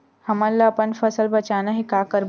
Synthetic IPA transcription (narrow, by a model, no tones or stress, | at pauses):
həmalːaːpəɳfəsəlbət͡ɕanaɦikakəɾ